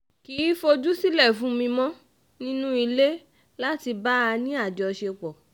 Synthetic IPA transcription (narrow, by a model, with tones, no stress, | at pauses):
ki˨˦fo˧d͡ʒu˦si˦lɛ˦˨fũ˨˦mĩ˧mɔ̃˦ | nĩ˦nũ˦i˧le˦ | la˦ti˧ba˦a˧nĩ˦a˦˨d͡ʒɔ˧ʃe˧k͡pɔ˨